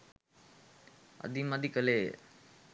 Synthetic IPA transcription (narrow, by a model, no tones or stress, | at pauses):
ə̰d̪imad̪ikəle